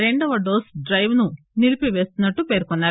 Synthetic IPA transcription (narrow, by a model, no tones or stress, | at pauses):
ɾe̞ɳɖɐʋɐɖoːsɖɾɐjʋnu | nilipiʋe̞ːst̪unːɐʈːupe̞ːɾkɔnːaːɾu